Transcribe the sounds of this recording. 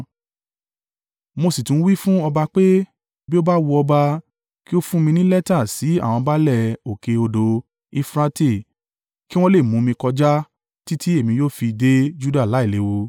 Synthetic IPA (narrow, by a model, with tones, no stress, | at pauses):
mo˧si˨tũ˨˦wi˦fũ˦ɔ˧ba˧k͡pe˦ | bi˦o˦ba˦wo˧ɔ˧ba˧ | ki˦o˦fũ˦mĩ˧nĩ˦lɛ˦ta˦˨si˨˦a˦˨w̃ɔ̃˧ba˦lɛ˦˨o˨ke˧o˧do˧ | i˦˧fɾa˧te˦˨ | ki˦w̃ɔ̃˦le˦˨mũ˨˦mĩ˧kɔ˧d͡ʒa˦ | ti˦ti˦e˦˨mĩ˨˧joː˦fi˧de˦d͡ʒu˦da˦˨la˨˦i˦˨le˨˦wo˧